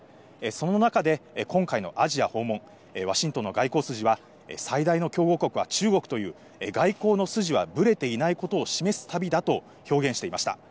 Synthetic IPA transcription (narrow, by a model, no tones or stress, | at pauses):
eso̞no̞nakad̪e̞kʰõ̞ŋkaino̞̰ʔaʑiaho̞ːmːõ̞ŋ | eβ̞aɕĩnt̪o̞nːo̞ɡaiko̞ːsɨʑiβa | ḛsaid̪aino̞kʲo̞ːɡo̞ko̞kɯ̟βa̰t͡ɕɨːɡo̞kɯ̟t̪o̞jɯ̟ː | eɡaiko̞ːno̞sɨʑiβa̰bɯ̟ɾe̞t̪e̞inaiko̞t̪o̞ːɕime̞sɨ̥t̪abʲid̪at̪o̞ | ço̞ːɡẽɕi̥t̪e̞imaɕi̥t̪a̰